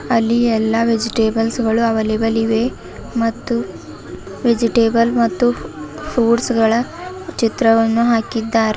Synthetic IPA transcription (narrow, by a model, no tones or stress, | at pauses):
ɐlːiɛlːɐʋed͡ʒiʈeːbɐlsɡɐɭuɐʋɐlebɐliʋe | mɐt̪ːu | ʋed͡ʒiʈeːbɐlmɐt̪ːupʰuːɖsɡɐɭɐt͡ʃit̪ɾɐʋɐnːuɦaːkid̪ːaːɾ